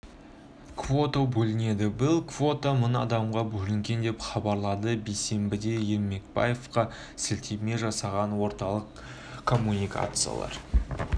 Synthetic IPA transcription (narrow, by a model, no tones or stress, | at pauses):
kvo̞t̪obɵlɪne̞d̪ɪbɪlˠkvo̞t̪əmʊnɑd̪ɑmʁɑbɵlɪŋɡʲe̞nd̪e̞pχɑbɑɾlˠɑd̪əbejse̞mbɪd̪e̞je̞lme̞k̚bɑ̰jefqɑ | sɪlt̪ʰeme̞ʒɑsɑʁɑnwo̞ɾt̪ɑlˠəq | kʰːo̞mːunijka̰t̪sɨja̰lˠɑ̰ɾ